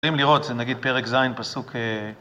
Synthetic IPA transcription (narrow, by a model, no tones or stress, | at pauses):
imliʁo̞t̪zenaɡid̪̚peʁekzajnpasukʰe